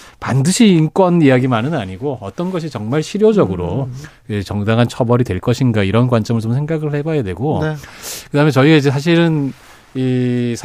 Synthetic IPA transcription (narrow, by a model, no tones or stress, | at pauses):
pa̰ndɯɕʰiːnk͈wʌnijaɡimanɯnaɲiɡoʌt͈ʌnɡʌɕ̬ʰit͡ɕʌŋmaɭɕʰiɾjod͡ʑʌɡɯɾo | et͡ɕʌŋdaŋɦant͡ɕʰʌbʌɾidtwe̞ɭk͈ʌɕʰinɡaiɾʌnkwant͡ɕ͈ʌmɯɭt͡ɕomsʰe̞ŋɡaɡɯɭe̞bajadwe̞̰ɡo | kɯdaɯmet͡ɕʌiɡaid͡ʑe̞s̬ʰaɕ̬ʰiɾɯn | is